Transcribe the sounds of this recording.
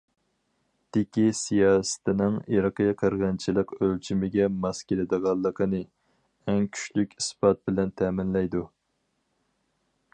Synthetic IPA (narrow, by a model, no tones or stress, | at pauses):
d̪̥ɪkʲisijɑːsɪ̥t̪ʰɪnɪŋiɾɨqəjɑqʰəɾʁɑnt͡ʃʰilˠɨqølt͡ʃʰimɪɡʲɛmɑskʲelɪd̪ɨʁɑlˠːəqʰənɨ | ɛŋkʲʰy̥ʃlykʲisbɑt̪̚bɪlɛnt̪ʰɛmɪnlɛjd̪u